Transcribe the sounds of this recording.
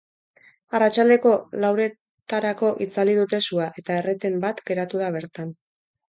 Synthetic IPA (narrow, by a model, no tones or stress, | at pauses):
arat͡ʃald̪e̞ko̞lawɾe̞ | t̪aɾako̞ʔit͡saliðut̪e̞suaʔe̞t̪aeret̪e̞mbat̪ɡe̞ɾat̪uð̞aβ̞e̞ɾt̪an